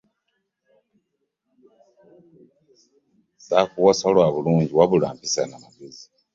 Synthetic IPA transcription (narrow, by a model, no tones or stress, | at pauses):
takuwasolwaβuluːɲɟiwaβula̰ːmpisanamaɡizi